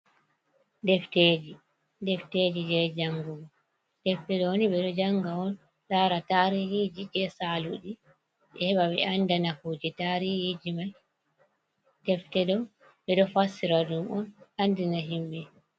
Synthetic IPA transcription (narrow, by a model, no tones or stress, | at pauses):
dɛfteːd͡ʒi | dɛfteːd͡ʒid͡ʒɛd͡ʒaŋɡuɡɔ | d̥ɛftɛɗɔwoniɓɛɗɔd͡ʒaŋɡaɔn | ɗaɾataɾihid͡ʒid͡ʒɛsaluɗi | ɓɛhɛɓaɓɛʔandanahud͡ʒitaɾihid͡ʒimaj | dɛftɛdɔ | ɓɛɗɔfasːiɾadumɔnandinaɦimɓɛ